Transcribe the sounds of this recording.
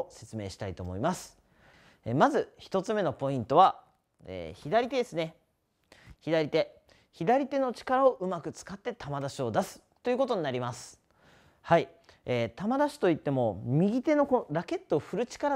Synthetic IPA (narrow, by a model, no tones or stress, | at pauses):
se̞t͡sɨme̞ːɕi̥t̪ait̪oːmo̞̰imasɨ̥ | emazɨçi̥t̪o̞t͡sɨme̞no̞po̞ĩnt̪o̞βa | ḛːçid̪aɾʲit̪e̞d̪e̞sɨne̞ | çid̪aɾʲit̪e̞ | çid̪aɾʲit̪e̞no̞t͡ɕi̥kaɾao̞ʔɯ̟makɯ̟t͡sɨ̥kat̪ːe̞t̪ʰamad̪aɕio̞d̪asɨ̥t̪ːo̞iɯ̟ko̞t̪o̞ɲ̟inaɾʲimasɨ̥ | hai | eːt̪amad̪aɕi̥t̪o̞it̪ːe̞mo̞mʲiɡʲit̪e̞nokoɾake̞t̪ːo̞ɸɯ̟ɾɯ̟t͡ɕi̥kaɾa